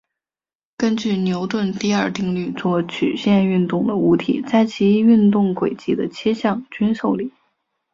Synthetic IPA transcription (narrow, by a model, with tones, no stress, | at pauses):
kə˥nt͡ɕy˥˩njo˧˥ʊt̪wə˥˧nt̪i˥˧ɐ˞˥˧t̪i˥˧ŋly˥˧t͡swɔ˥˩t͡ɕʰy̰˨˩ɕjɛ˥˧ny˥˧nt̪ʊ˥˩ŋd̪ə˩u˧˥t̪ʰḭ˨˩t͡sa˥˩ɪt͡ɕʰi˧˥y˥˧nt̪ʊ˥˩ŋkwe˨˩ɪt͡ɕi˥d̪ə˧t͡ɕʰjɛ˥ɕjɑ˥˩ŋt͡ɕy˥nʂo˥˩ʊli˨˩˦